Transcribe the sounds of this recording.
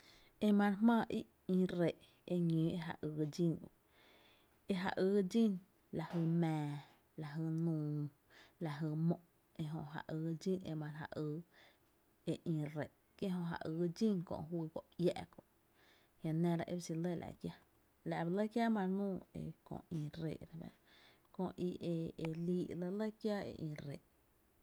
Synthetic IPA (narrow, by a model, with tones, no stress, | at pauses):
e˧mã˧ɾmãː˦˧˨ʔi˦ʔ | ĩ˧ɾe˨ʔ | e˧ɲĩː˨˦e˧ɦa̰˧˨ʔɨː˧d͡ʒĩ˧n̰˧˨ | e˧ɦa̰˧ʔɨː˧˦d͡ʒi˦n | la˨hə˧mɛ̃ː˨ | la˨ɦɨ˧˨nũː˧˨ | la˧ɦə˧˨mõ˧ʔ | e˧ɦõ˧ʔɦa̰˧˨ʔɨː˧d͡ʒi˦nḛ˧mã˧ɾɦa̰˧ʔɨː˧˦ | e˧ʔĩ˧ɾe˨ʔ | ke˦ɦõ˧ɦa̰˨ʔɨ˧d͡ʒĩ˦ŋkõ̰˧˨ʔɦwiː˧ko˨ʔjɛ˧ʔkõ˧˨ʔ | hjã˧nẽ˧ɾa˧ʔḛ˦bsi˧lə˦˨lʔa̰˧˨ʔkja˦ | la˨ʔba˧lə˦kja˦mã˧nũː˦˧ḛ˧kõ̰˧˨ĩ˧ɾḛː˧˨ʔɾa˧ba̰˧ | kõ˧ʔʔi˧ʔe˧e˧liː˧˦ʔlə˧lə˦kja˦ḛ˧ʔĩ˧ɾe˨ʔ